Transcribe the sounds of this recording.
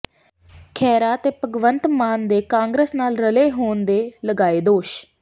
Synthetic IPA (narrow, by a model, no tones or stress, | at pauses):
kʰɛːɾaːt̪eːpəɡʋənt̪maːnd̪eːkãːŋɡɾeːsnaːlɾəleːɦoːnd̪eːləɡaːeːd̪oːʃ